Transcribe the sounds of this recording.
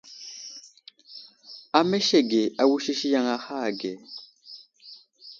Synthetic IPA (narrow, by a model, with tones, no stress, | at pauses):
a˨mɛ˦ʃɛ˦˨ɡe˨a˨wu˦ʃi˦ʃi˦ja˦ŋa˦ha˦˨ɡɛ˨